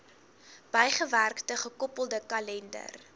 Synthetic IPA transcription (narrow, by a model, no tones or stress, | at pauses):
b̥əjχəværktəχəkɔpəlˠdəkɐlɛndə̰r